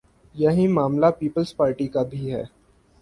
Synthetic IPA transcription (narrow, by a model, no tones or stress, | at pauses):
jɐɦĩmaːmlapiːpəlspaːɾʈikabʱiɦɛː